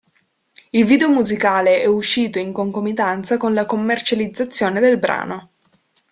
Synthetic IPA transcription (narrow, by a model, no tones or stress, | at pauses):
ilviːd̪eomuzikaːleʔɛuʃːiːt̪oiŋkoŋkomit̪ant̪sakonlakomːert͡ʃalid̪zːat̪sːjoːned̪elbɾa̰ːno